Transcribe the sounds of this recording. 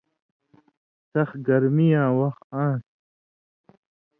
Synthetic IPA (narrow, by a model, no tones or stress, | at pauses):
sɐxɡɐɾmijãːwɐxãːs